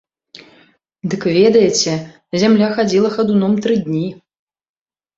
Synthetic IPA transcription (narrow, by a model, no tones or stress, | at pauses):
d̪ɨkvʲɛd̪ɐjɛt͡sʲɛ | zʲamlʲaxad͡zʲilˠɐxad̪unɔmt̪ɾɨd̪ʲnʲi